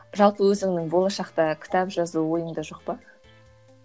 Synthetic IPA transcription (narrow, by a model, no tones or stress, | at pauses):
ʒɑlˠpəwɵzɪŋnɪŋbo̞lˠɑʃɑqt̪ɑkʲʰɪ̥t̪ʰɑpʒɑzuwo̞jənd̪ɑʒo̞q̚pɑ